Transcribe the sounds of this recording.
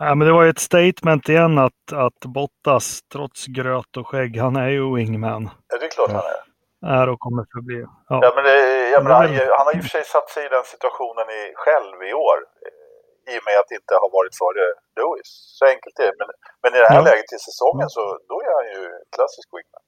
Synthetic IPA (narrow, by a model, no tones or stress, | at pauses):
næmɛnd̪ɛvaɾjɵɛt̪st̪ejt̪mɛnt̪ɪjɛnːat̪at̪bɔt̪ːast̪ʰɾɔt̪sɡɾøːt̪ɔɧɛɡːhanæɾjɵwɪŋːmɛnjɑd̪ɛklɑːʈha̰næ̰ɾ | æɾɔkʰɔmːəɾfœbliː | jɑjɑmɛnd̪ɛjɑmɛnahahanhaɾjəfœʂɛjsat̪ːsɛjɪd̪ɛnsɪt̪ɵaɧuːnənɪɧɛlvɪoːɾ | ɪjɔmɛat̪ːɪnt̪əhaɾvɑːɾɪt̪fœːɾəlʉːɪsːɔɛŋkəlt̪ɛːmɛn | mɛnɪd̪ɛhælɛːɡət̪ʰːɪlsɛsɔŋːənsɔd̪ɔæɾhanjɵɛt̪kʰlasɪskwɪ̰ŋmɛ̰n